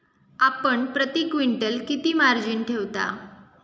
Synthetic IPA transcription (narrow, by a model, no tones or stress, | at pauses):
apəɳpɾət̪ikʋiɳʈəlkit̪iːmaɾd͡ʑinʈʰeʋt̪a̰